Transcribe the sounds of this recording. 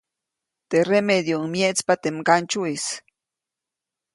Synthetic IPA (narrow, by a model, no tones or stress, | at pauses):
t̪eɾemed̪joŋmjet͡spat̪emkant͡ʃuis